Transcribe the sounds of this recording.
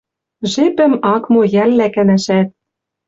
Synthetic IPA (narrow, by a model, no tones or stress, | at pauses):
ʒepɘ̆mɑkmojælːækæ̆næʃæt̪̚